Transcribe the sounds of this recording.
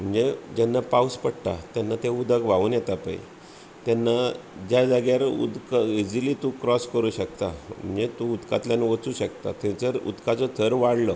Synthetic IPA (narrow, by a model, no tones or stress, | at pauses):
m̤əɳd͡zed͡ʑanːapauspəɽt̪at̪janːat̪eud̪əkʋauːnjɛt̪apa̰ḭ | t̪janːad͡ʑjad͡zaɡjaɾṵd̪kid͡ziliːt̪ũkɾɔskəɾuːɕək̚t̪am̤ə̰ɳd͡zet̪ũud̪kat̪ljanʋət͡suːɕək̚t̪a̰t̪ʰɛ̃t͡səɾṵd̪kat͡sɔt̪ʰəɾʋaɽlə